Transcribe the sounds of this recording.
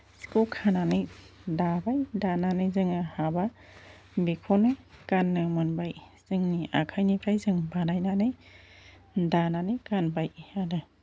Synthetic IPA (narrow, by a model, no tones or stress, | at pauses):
si̥kokʰananɯj | dabajdananɯjzɯŋɯhaba | bekʰɔnɯjkanːɯmɯnbaj | z̥ɯŋnia̰kʰajnipʰɾajzɯŋbanajnanɯj | dananɯjkanbajadɯ